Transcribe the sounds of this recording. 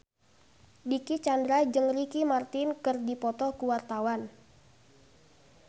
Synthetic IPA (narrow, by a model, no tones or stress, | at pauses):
dikit͡ʃandɾad͡ʒɨŋrikimart̪ɪnkɨrdipɔt̪ɔkuwart̪awan